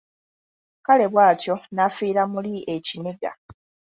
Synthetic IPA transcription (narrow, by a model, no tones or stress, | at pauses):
kale̞βwaːtʰjo̞nafiːɾamulieciniɡa̰